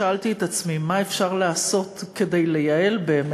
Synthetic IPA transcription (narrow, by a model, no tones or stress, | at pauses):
aaltiet̪at͡smimaefʃaʁlaːso̞tke̞de̞jle̞jae̞lbeːm